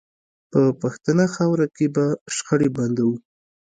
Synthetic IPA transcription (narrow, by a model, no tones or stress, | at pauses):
pəpaxt̪ənaxɑwɾakebaʃxəɽeband̪awu